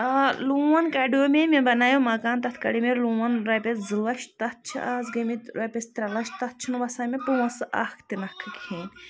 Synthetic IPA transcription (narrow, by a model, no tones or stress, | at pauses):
luwɐnkaːɖijoːmemẽbɐnaːjomɐkaːnt̪ɐt̪ʰkɐ̰ɽimeɾluwɐnɾɐpʲezɨlɐʃt̪ɐt̪̚t͡ʃʰḭʔaːzɡɐmit̪ɾɐpʲest̪ɾɐlɐʃt̪ɐt̪̚ʰt͡ʃʰinʋɐsaːmepuwɐsʔa̰kʰt̪inɐkʰːɨkĩn